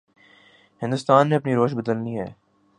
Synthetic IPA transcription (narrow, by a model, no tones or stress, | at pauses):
hɪ̃nd̪ʊst̪aːnːeɐpniɾoːʃbəd̪əlniɦɛ̰ː